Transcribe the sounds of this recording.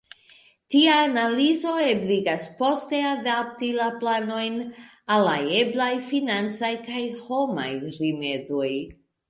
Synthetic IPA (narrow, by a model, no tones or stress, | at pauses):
tiaːnalizo̞ebliɡaspo̞ste̞adap̚tilaplano̞jn | alajeblajfinant͡sajkajho̞ma̰jɾime̞doj